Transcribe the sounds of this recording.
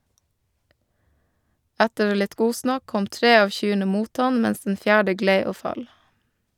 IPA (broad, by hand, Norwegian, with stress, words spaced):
ˈætəɾ ˈlɪt ˈɡuːsnɑk ˈkɔm ˈtɾeː ˈɑːʋ ˈçyːɳə ˈmuːt ˈɑn ˈmɛns dn̩ ˈfjæːɖə ˈɡleɪ ˈoː ˈfɑl